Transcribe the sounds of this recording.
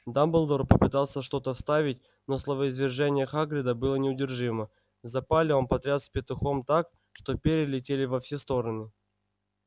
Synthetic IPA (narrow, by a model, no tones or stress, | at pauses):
d̪ambəlˠd̪orpəpɨt̪alˠsʲəʂt̪o̞t̪əfst̪avʲɪtʲ | no̞slˠəvəɪzvʲɪrʐɛnʲɪjəxaɡɾʲɪd̪əbɨlˠənʲɪʊdʲɪrʐɨmə | zɐpalʲɪo̞npɐt̪ɾʲat̪sʲpʲɪt̪ʊxo̞mt̪ak | ʂt̪o̞pʲeɾʲɪlʲɪtʲelʲɪvɐfsʲest̪o̞ɾənɨ